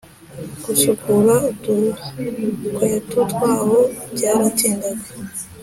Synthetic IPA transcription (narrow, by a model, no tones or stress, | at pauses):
ɡ̥ut͡ʃukuɾautu | kwetutwaːwobɟaːɾatiːndaɡa